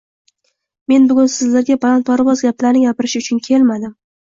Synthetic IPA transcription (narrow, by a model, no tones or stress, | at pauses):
me̞nbʊɡʲʊnsɪzlaɾɡʲapʰalˠant̪̚pʰaɾvɒzɡʲaplaɾnɪŋɡʲapɪɾɪʃʊt͡ʃʰʊnkʲʰe̞lmad̪ɪm